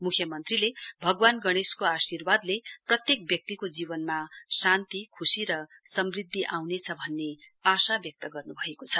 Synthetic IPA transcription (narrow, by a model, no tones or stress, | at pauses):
mukʰjʌmʌnt̪rilebʱʌɡwanɡʌɽ̃eskoasirwad̪leprʌt̪jek̚bjʌk̚t̪ikod͡zibʌnmasant̪ikʰusiɾʌ | sʌmrid̪ʱːiʔawnet͡sʰʌbʱʌnːeasabjʌk̚t̪ʌɡʌrnubʱʌekot͡sʰʌ